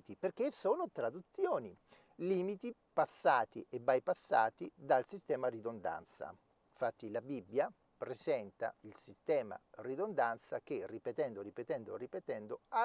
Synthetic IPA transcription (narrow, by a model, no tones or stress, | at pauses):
t̪iperk̟esːoːnot̪ɾad̪ut̪sːjoːni | liːmit̪ipasːaːt̪ḭʔebajpasːa̰ːt̪id̪alsist̪ɛːmarid̪ond̪a̰nt̪sa̰ | fat̪ːilabibːja | pɾesɛnt̪a̰ilsist̪ɛːma̰rid̪ond̪ant̪sa̰k̟erːipet̪ɛnd̪oripet̪ɛnd̪oripet̪ɛnd̪oa